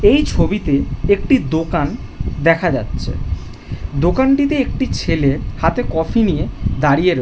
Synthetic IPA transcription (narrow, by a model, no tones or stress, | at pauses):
ejt͡ɕʰobit̪eek̚ʈid̪okan | d̪ɛkʰad͡ʑatːɕʰḛ | d̪okanʈit̪eek̚ʈit͡ɕʰelehat̪ekɔfʰinijed̪aɾijeɾ